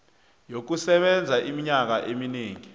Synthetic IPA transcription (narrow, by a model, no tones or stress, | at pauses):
jok̬usɛɓɛnd͡zʱaʔimiɲak̬aʔemineːŋi